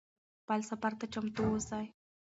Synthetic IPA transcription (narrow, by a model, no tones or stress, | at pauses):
palsapaɾt̪at͡ʃamt̪uːsaj